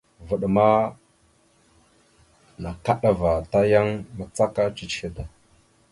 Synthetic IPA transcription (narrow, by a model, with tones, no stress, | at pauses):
və˨ɗma˦ | na˨ka˦ɗa˦˨va˨ta˦ja˦ŋma˨t͡sa˦ka˦t͡ʃi˨t͡ʃxi˦da˨